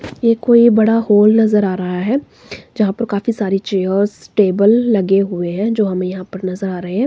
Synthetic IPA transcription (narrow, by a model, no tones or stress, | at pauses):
jeːkoːibɐɽahoːlnɐzəɾaːɾɐɦaɦɛː | d͡ʒɐɦãpɐɾkaːfisaːɾit͡ʃeːəɾzʈeːbəlːɐɡeɦʊeɦɛ̃d͡ʒoːɦɐmẽjɐɦãpɐɾnɐzəɾaːɾɐɦeɦɛ̃ː